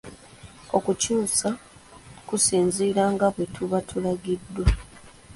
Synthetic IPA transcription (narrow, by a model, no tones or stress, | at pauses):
o̞kucuːsa | kusiːɲziːɾaŋɡaβwe̞tʰuβatʰulaɡidːwa